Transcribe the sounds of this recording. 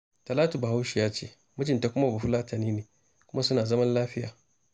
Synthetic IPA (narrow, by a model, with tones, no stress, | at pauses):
tɐ˨laː˦tu˨ba˨ha˦wʃi˨jaː˦t͡ʃḛː˦˨ | mʊ˦d͡ʒɪ˨nta˨kʷʊ˦ma˦˨bu˨ɸʊ˦laː˦tɐ˨niː˦neː˨ | kʷʊ˦ma˦sʊ˦naː˨zɐ˦mɐ˦nlaː˦ɸɪ˦jaː˨